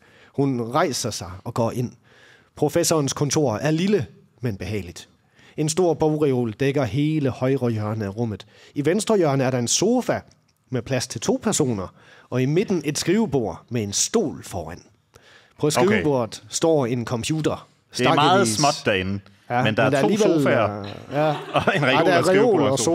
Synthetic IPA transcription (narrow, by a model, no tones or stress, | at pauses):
hunʁɑ̈ɪsɐsɑ̈ɪɒ̽ɡ̥ɒ̰ːʔe̝n̰ | pʰʁo̝fesɒːnskʰɔ̽nt͡sʰo̝ɐ̰æɐlilə | menb̥e̝ɦɛ̰ɪlid̥ | e̝nsd̥o̝ɐ̰b̥ɒʊʁio̝̰ːld̥eɡ̥ɐɦe̝ːləhɒ̽ɪʁɒjɶɐnəæʁɔ̽m̰ð̞̩ˠ | iʋensd̥ʁɐjœɐnəæɐɾ̥ɑ̈e̝nso̝ːfæ | mepʰlæst͡sʰe̝lt͡sʰo̝̰ːpʰæɐso̝̰ːnɐ | ɒ̽ime̝d̥n̩e̝d̥sɡ̥ʁiːʊəb̥o̝ɐ̰mee̝nsd̥o̝̰ːlfɒːæn̰ | pʰɒ̽sɡʁiəb̥o̝ɐ̰ð̩ˠsd̥ɒ̰ːinkʰɒ̽mpʰjuːd̥ɐ | sɡmɑ̥ːð̩ˠsmɒ̽d̥d̥æɐenn̩ | jæmend̥ɑɐd̥ɑɐliʋel | jændɑʁɛo̝̰ːlɒo